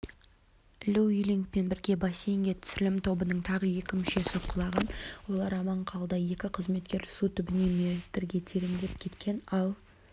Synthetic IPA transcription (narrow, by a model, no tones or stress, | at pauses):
lʲuiliŋk̚pe̞nbɪɾɡʲe̞bɑsejŋɡʲe̞t̪ʰʏ̥sɪlɪmt̪ʰo̞bənəɴt̪ʰɑʁəje̞kʲɪmʏʃe̞sɪqʰːʊlˠɑʁənwo̞lˠɑɾɑmɑɴqʰɑlˠd̪ɑje̞kʲɪqʰəzme̞t̪̚kʲe̞ɾsut̪ʰʏbɪne̞met̪ɾɡʲe̞t̪ʰeɾɪmd̪e̞p̚kʲʰe̞t̪kʲʰe̞nɑlˠ